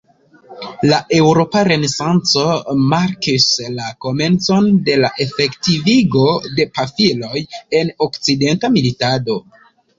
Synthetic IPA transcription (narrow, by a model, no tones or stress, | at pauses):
laʔe̞wɾo̞paɾe̞ne̞sant͡so̞maɾkislako̞me̞nt͡so̞nde̞laʔe̞fe̞ktiviɡo̞de̞pafilo̞je̞no̞kt͡side̞ntamilitado̞